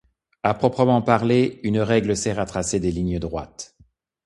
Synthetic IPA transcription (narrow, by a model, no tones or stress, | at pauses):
apχɔpχəmɑ̃paʁleynʁɛɡləsɛʁat̪χased̪eliɲəd̪ʁwa̰t̪